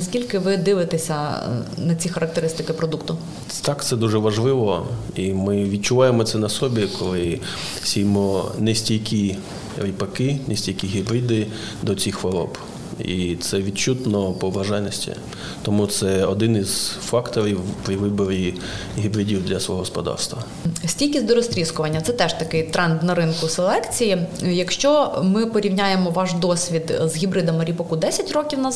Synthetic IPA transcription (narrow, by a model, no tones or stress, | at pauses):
sʲkʲilʲkɪʋɪd̪ɪʋɪt̪esʲɐnɐt͡sʲixɐɾʔɐkt̪eɾɪst̪ɪkɪpɾɔd̪ukt̪ʊ | t̪ɑkt̪sɛd̪uʒɛʋɐʒlˠɪʋɔimɪʋʲid̪̚t͡ʃʊʋɑjemɔt̪sɛnɐsɔbʲikʰɔlˠɪ | sʲijmɔnɛsʲtʲijkʲi | ɾʲipɐkɪnɛsʲtʲijkʲiɦʲibɾʲid̪ɪ | d̪ɔt͡sʲixʋɔɾɔ̰b | it̪sɛʋʲid̪̚t͡ʃut̪nɔpɔʋʋɐʒajnɔsʲtʲḭ | t̪ɔmut̪sɛɔd̪ɪniz̥fɑkt̪ɔɾʲiwpɾʲiʋɪbɔɾʲi | ɦʲibɾɪdʲiwd̪lʲɐsʋɔ̰ɦɔɦɔspɔd̪ɑ̰rst̪ʋɐ | sʲtʲilʲkʲizʲd̪ɔɾɔsʲt̪ʲɾʲiskʊʋɐnʲːɐt̪sɛt̪ɛʃt̪ɐkɪjt̪ɾɛnd̪nɐɾɪnkʊselˠɛkt͡sʲijijɐkʃt͡ʃɔmɪpɔɾʲiwnʲajemɔʋɑʒd̪ɔsʲʋʲid̪zɦʲibɾɪd̪ɐmɪɾʲipɐkud̪ɛsʲɐtʲrɔkʲiwnɐ